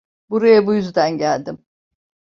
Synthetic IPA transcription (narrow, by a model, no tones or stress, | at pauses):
buɾajabujyzd̪ænɟælʲd̪ɪm